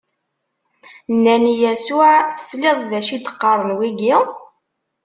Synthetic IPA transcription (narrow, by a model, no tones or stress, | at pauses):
nːænijæsʊʕθə̥slɪðˤðæʃid̪ə̥qːɑɾˤənwiɡi